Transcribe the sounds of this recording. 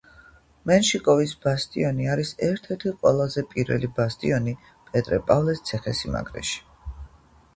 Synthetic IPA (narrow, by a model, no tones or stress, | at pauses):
mɛnʃikʼɔvisb̥ast̪ʼiɔniaɾisɛɾt̪ʰɛɾt̪ʰiqʼwɛ̰lˠazɛpʼiɾvɛ̰libast̪ʼiɔni | pʼɛt̪ʼɾɛpʼavlɛst̪sʰɛχɛsima̰ɡɾɛ̰ʃi̥